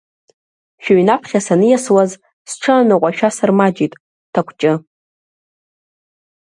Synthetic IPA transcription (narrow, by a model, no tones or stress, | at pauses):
ʃᶣaɥnapʰχʲasanɨjaswaz | sʈ͡ʂʰɨanɨqʷʼaʃᶣasarmad͡ʒitʼ | tʰakʷʰt͡ʃʼɪ